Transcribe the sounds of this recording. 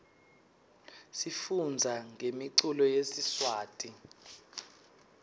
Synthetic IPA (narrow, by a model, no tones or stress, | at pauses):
sifund͡zʱaŋemiǀulɔjesiswaːtʼi